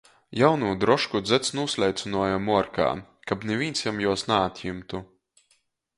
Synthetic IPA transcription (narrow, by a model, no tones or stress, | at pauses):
jawnuːd̪ɾɔʃkud̪zɛt̪snuːslʲɛjt̪sɨnuɔjamuɔɾka̰ːkabnevʲiːnsjamjuɔsnaːt̪ʲjimt̪u